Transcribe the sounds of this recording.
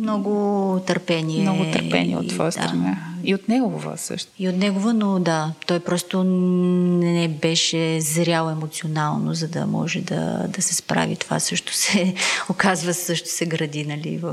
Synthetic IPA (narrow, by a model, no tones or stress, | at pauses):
mnɔɡʊt̪əɾpɛnimnɔɛɡʊt̪əɾpɛ̰niɛ̰o̰ːvɔjəsd̪at̪ɾɐnaiot̪nɛɡovə̰sə̰ʃt̪ʊ̥iot̪nɛɡovənod̪at̪ɔjpɾɔst̪onɛbɛʃɛzɾʲjalˠɛmot̪sionalˠnozɐd̪ɐ̰mɔ̰ʒɛd̪ɐ̰d̪ɐsɛspɾa̰vḭt̪ova̰sɤʃt̪o̥sɛokazvəsɤʃt̪o̥sɛɡɾɐd̪inɐlḭvəf